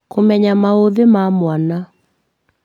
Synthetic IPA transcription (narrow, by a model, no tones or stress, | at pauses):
komɛɲamaoðemamwana